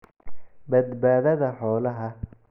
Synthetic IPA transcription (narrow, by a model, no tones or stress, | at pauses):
bɐd̪baːðɐðɐħɔːlɐɦɐ